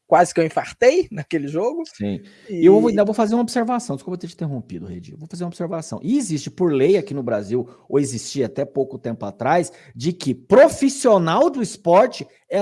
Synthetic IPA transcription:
kwazɪkewĩfaɾt̪ejnɐkelɪʒoɡʊsĩ | ewovĩavowfazeɾũmɐobseɾvasɐ̃d͡ʒɪskupɾɐt̪ẽd͡ʒĩẽɦõmpid̪ʊhḛd͡ʒḭvowfazeɾũobɪ̥seɾvasɐ̃w̃ʔɪːzist͡ʃɪpʊɾlejakinʊbɾaziw | owɪzist͡ʃiɐat̪ɛpowkʊt̪ẽmpʊat̪ɾajs | d͡ʒɪkɪpɾofisionawd̪ʊɪspɔɾt͡ʃɪ | ɛ

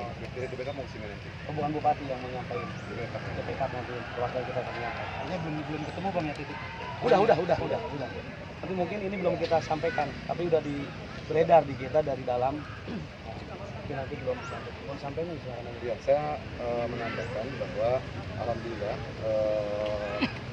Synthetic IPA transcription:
dit̪epekapmaksinanant̪ikəbuɦanbopat̪ijaŋməɲapaj | depekat̪̚depekap̪nant̪ikəlwarɡankit̪akaəɲapaja̰ɲabəlʊmbəlʊmkət̪əmuhbaŋjat̪it̪ik | udaɦudaɦudaɦudahudah | nant̪imuŋkɪninibəlʊmkit̪asampajkant̪ap̬iudahdi | bəɾedardikit̪adaɾidalam | ja | apinant̪ibəlʊmɲamp̪abəmsampajnaisumaɾanaɲajasaja | əməɲampakanbaɦwa | a̰ɾamdila | ə

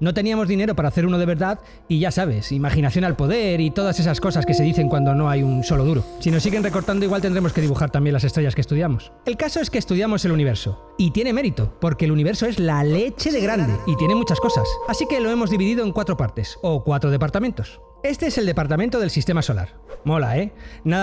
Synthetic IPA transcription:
no̞t̪e̞niamo̞zðine̞ɾopaɾaːθeɾuno̞ð̞eβe̞ɾðað | iʝasaβ̞e̞simaxinaθjo̞nalpo̞ð̞e̞ɾit̪o̞ð̞ase̞s̬asko̞saske̞se̞ðiθe̞ŋkwand̪o̞no̞ajunso̞lo̞ðuɾosino̞s̬iɣe̞nre̞ko̞ɾt̪and̪oiɣwalt̪end̪ɾe̞mo̞ske̞ðiβuxaɾt̪ambje̞nlas̬est̪ɾe̞ʝaskest̪uðjamo̞s | e̞lkaso̞e̞skeːst̪uðjamo̞se̞luniβ̞e̞ɾso̞ | it̪je̞ne̞me̞ɾit̪o̞po̞ɾke̞ːluniβ̞eɾso̞e̞zlale̞t͡ʃe̞ðeɣ̞ɾand̪eit̪je̞ne̞mut͡ʃasko̞sasasike̞lo̞e̞mo̞zðiβiðiðoe̞ŋkwat̪ɾo̞paɾt̪e̞so̞kwat̪ɾoðe̞paɾt̪amẽ̞nt̪o̞s | e̞st̪e̞ese̞ld̪e̞paɾt̪amẽnt̪o̞ð̞e̞lsist̪e̞maso̞la̰ɾ | mo̞la̰ena

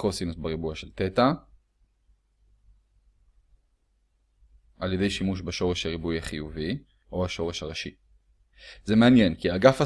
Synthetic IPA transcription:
kosinusbaʁibujaʃelt̪et̪a | ʔaljede̞jʃimuʃbeʃo̞ʁe̞ʃhaʁibujaχijuvi | ʔo̞aʃo̞ʁe̞ʃhaʁaʃi | zemeanjenkiaɡafa

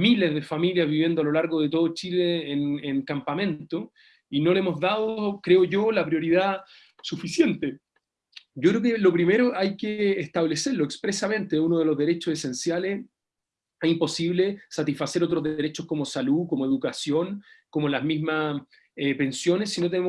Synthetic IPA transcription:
milezðe̞familjazβiβje̞nd̪oalo̞laɾɣoðet̪̬o̞ð̞ot͡ʃileːneŋkampamẽ̞nt̪o | inolemo̞zðað̞okɾeoʝolapɾjo̞ɾið̞a | sufisje̞nt̪e | ɟ͡ʝokɾeokelopɾime̞ɾoʔajkeːht̪aβle̞seɾloekspɾesamẽ̞nt̪eunoð̞elo̞zðeɾe̞t͡ʃosese̞nsjales | eimpo̞siβlesat̪isfase̞ɾo̞t̪ɾozðeeɾet͡ʃoskomo̞salukomoe̞ðukasjo̞ŋko̞molazmizma | epe̞nsjo̞nesːinot̪enemo

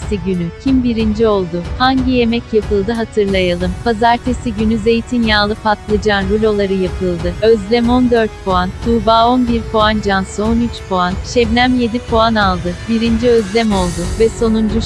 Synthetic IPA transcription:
siɟynycʰimbiɾind͡ʒio̞lˠd̪ʊhaɲɟije̞mɛcjapʰɯlˠd̪ɯɦat̪ʰɯɾlˠajalˠɯmpʰazaɾt̪ʰesiɟynyze̞jt̪ʰinjaːlˠɯfat̪lˠɯd͡ʒanɾulʲo̞lˠaɾɯjapʰɯlˠd̪ɯøzlʲɛmo̞nd̪ø̞ɾt̪̚pʰoand̪̥ʰuːbaːo̞nbiɾpʰoand͡ʒansɯo̞nyt͡ʃpʰoanʃɛbnʲæmje̞d̪ipʰoanalˠd̪ɯbiɾind͡ʒiø̞zlʲɛmo̞lˠd̪ʊvɛso̞nund͡ʒu

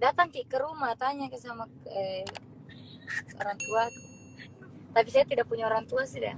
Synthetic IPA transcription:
dat̪aŋk̪ikəɾumat̪aɲakasamakə | o̰ɾaŋt̪uat̪u̥ | t̪apisajat̪idak̚puɲaoɾaŋt̪uasid

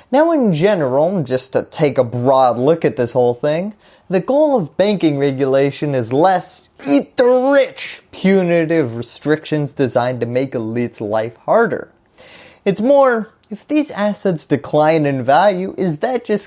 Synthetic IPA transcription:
naʊɨ̃nd͡ʒɛnə˞l̩ˠd͡ʒʌstʰɨtʰeɪkəbɹɔdˡlʊkɨt̪̚ðɪshoʊlˠθɪ̃ŋ | ðɨɡoʊlˠʌvbæ̃ŋkɪ̃ŋɹɛɡjɨleɪʃɨ̃nɨzlɛsit̪̚ðəɹɪt͡ʃpʰj̥ʉnɨɾɪvɹɨstɹ̥ɪkʃɨ̃nzdɨzãɪ̃ntɨmeɪkəlitsla̰ɪfhɑɹɾə̰˞ | ɨtsmɔɹ | ɨfðizæsɨtsd̥ɨkʰl̥ãɪ̃nɨ̃nvælˠjʉʔɪzðɨt̚d̥ʒ̥ʌs

